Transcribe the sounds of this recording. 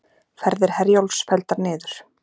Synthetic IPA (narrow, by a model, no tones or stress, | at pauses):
fɛɾðɪɾ̥hɛɾjowlsfɛlt̪aɾnɪːðʏɾ̥